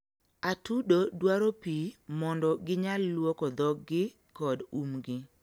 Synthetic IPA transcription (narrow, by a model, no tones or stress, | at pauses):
atudodwaɾopimɔndɔɡɪɲalːwokɔd̪ɔɡːɪ | kɔdumɡɪ